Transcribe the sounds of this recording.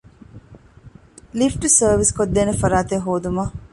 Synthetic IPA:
lifʈusəːʋiskod̪ːeːnefɐɾaːt̪eɦoːd̪umɐ

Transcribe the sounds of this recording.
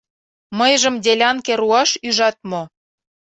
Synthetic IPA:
məjʒə̆md̪ʲelʲɑnkeɾuɑʃyʒɑt̪̚mo

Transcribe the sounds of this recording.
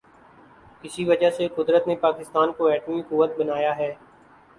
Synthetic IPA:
ɪsiʋɐd͡ʒaɦseqʊd̪ɾət̪nepaːkɪst̪aːnkoɛːʈmikʊʋːət̪̚bɐnaːjaɦɛː

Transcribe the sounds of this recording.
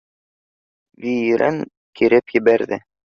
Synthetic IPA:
vʲijɾʔæ̰ŋ | kiɾɘpjɘ̆bæɾðɘ

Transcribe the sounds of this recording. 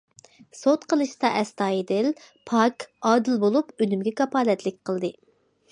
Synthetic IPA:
sot̪qʰəlˠɨʃt̪ɑʔɛst̪ɑːid̪ɪl | pʰɑkɑːd̪ɨlbolˠupønymɡʲɛkɑpɑːlɛt̪lɪkʲqʰəlˠd̪ɨ

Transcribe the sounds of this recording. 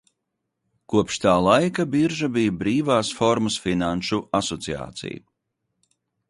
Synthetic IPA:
kuɔpʃt̪aːlˠajkabiɾʒabijbɾiːvaːsfɔɾmɨsfinanʃuʔasɔt̪sia̰ːt̪sḭjṵ

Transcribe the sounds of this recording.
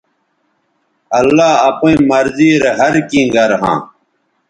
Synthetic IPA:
ɐlːaːɐpĩːmɐɾziːɾɦɐɾkĩːɡɐɾɦã̰ː

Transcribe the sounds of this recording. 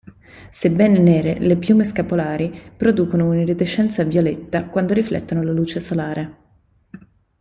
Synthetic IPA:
sebːɛːnenɛːɾelepjuːmeskapolaːɾipɾod̪uːkonouniret̪et͡ʃːɛnt̪savjolɛt̪ːakwand̪oɾiflɛ̰t̪ːonolaluːt͡ʃesolaːɾʔe

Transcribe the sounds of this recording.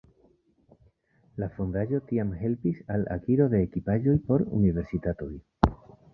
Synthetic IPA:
lafondaʒo̞tiamɦe̞lpisala̰kiɾo̞ðe̞ːkipaʒo̞jpo̞ɾṵnive̞ɾsitato̞j

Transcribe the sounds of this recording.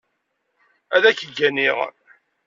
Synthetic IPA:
æðæçəɡːæniʁ

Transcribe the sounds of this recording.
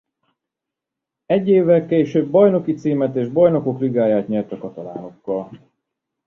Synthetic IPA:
ɛɟːeːvːɛlkeːʃøːbːɒjno̞kit̪siːmɛt̪eːʒbɒjno̞ko̞kliɡaːjaːt̪ɲɛlt̪ɒkɒt̪ɒla̰ːno̞kːɒl

